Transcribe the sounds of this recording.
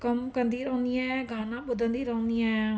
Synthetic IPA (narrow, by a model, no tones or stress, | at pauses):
kəmkənd̪iːɾɔ̃ːnd̪ijãːɡʱaːnãːbʊd̪ənd̪iːɾɔ̃ʊ̃nd̪ɪjãː